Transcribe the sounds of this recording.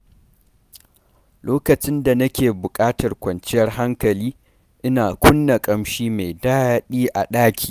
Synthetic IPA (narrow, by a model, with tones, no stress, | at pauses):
loː˦kɐ˨t͡ʃɪ˦nda˨nɐ˦kʲeː˨bʊ˨kʼaː˦tɐ˨rkʷɐ˨nt͡ʃɪ˦jɐ˦rɦa˦ŋkɐ˨liː˦ | ʔɪ˦naː˨kʷʰʊ˦nːa˨kʼɐ˦mʃiː˦me˨jdaː˦ɗiː˦ʔa˨ɗaː˦kʲʰi̥ː˨